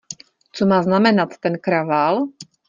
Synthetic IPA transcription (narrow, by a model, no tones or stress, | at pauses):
t͡sɔmaːznamɛnat̪ːɛnkɾaʋaːl